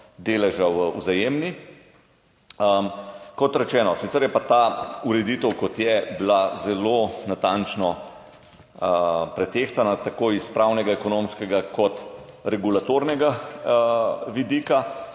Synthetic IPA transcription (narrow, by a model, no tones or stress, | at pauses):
d̪eːlɛʒawəuzajemni | əkɔt̪ɾɛt͡ʃɛːnɔsit̪sɛɾjɛpat̪auɾɛd̪iːt̪əwkɔt̪jɛblazɛlonat̪ant͡ʃnɔ | pɾɛt̪eːxt̪anat̪akoːispɾawnɛɡaɛkɔnomskɛɡakɔt̪ɾɛɡulat̪oːɾnɛɡa | ʋid̪iːka